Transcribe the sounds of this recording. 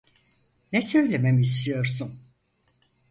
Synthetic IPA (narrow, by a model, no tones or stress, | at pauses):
nɛsø̞jlʲememiist̪ijo̞ɾsun